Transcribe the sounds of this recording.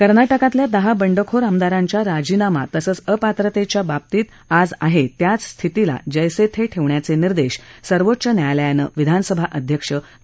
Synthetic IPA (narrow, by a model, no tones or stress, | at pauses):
kəɾnaʈəkãt̪ljad̪əɦabəɳɖəkʰoɾamd̪aɾãɲt͡ɕjaɾad͡ʑinama̰t̪əsət͡səpat̪ɾət̪et͡ɕjabab̚t̪iːt̪ | ad͡za̰ɦet̪jat͡sst̪ʰit̪ila̰d͡ʑəjset̪ʰeʈʰeʋɳjat͡seniɾd̪eɕsəɾʋot̪ːɕənjajljanə̰ʋid̪ʱanəsəbʱaʔəd̪ʱjəkʂə